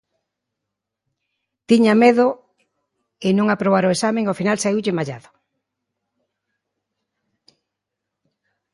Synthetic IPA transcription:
t̪iɲameðo | enõŋapɾoβ̞aɾʊesamẽŋofinalsaiwʎemaʎaðʊ̥

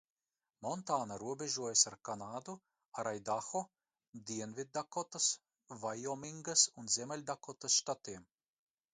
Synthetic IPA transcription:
mɔnt̪aːnaɾuɔbʲeʒuɔjasaɾkanaːd̪u | aɾajd̪axɔ | d̪iɛnvʲid̪̚ːakɔt̪ɐs | vajɔmiŋɡasunzʲiɛmɛlʲd̪akɔt̪ɐsʃt̪at̪iɛm

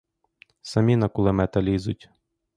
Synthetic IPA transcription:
sɐmʲinɐkʊlˠɛmɛt̪ɐlʲizʊtʲ

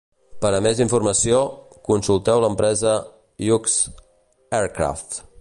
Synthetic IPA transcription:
pəɾəmeziɱfurməsio | kunsulˠt̪ɛwləmpɾɛzə | juks | ɛɾkɾa̰ft̪

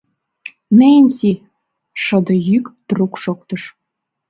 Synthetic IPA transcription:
nenʲsi | ʃə̆d̪ɤ̆jykt̪rukʃokt̪əʃ

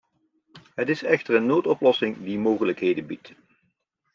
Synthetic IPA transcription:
ɦətɪsɛχtəɹənːoːtɔplɔsɪŋdimoːɣələkɦejdənbit

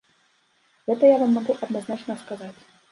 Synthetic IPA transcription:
ɣɛt̪ɐjavamːaɣuʔɐd̪naznat͡ʂnɐskazat͡sʲ

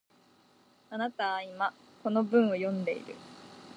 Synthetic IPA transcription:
anat̪aβaima | ko̞no̞bɯ̟̃ɰ̃o̞jõ̞nd̪e̞̰ḭɾɯ̟̰

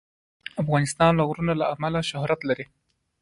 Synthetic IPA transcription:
afɣɑnɪst̪ɑnlaɣɾunalaamalaʃʊhɾat̪laɾi

